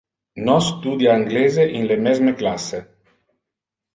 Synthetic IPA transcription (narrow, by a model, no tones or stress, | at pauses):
nɔst̪ud̪jaːŋɡleːzeʔinlemɛzmeklasːe